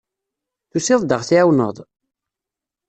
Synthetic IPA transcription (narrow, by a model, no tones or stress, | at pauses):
θusɪðˤd̪əʁθiæwnə̰ðˤ